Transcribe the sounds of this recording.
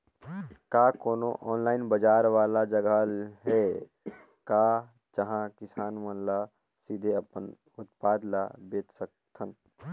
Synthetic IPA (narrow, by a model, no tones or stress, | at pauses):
kakoːnoʔɔːnlaːɪnbəd͡ʒaːɾʋaːlad͡ʒəɡʱalɦe | ka | d͡ʒəɦãkɪsaːnmənla | sid̪ʱeəpən | ʊt̪paːd̪labeːt̪sək̚t̪ʰən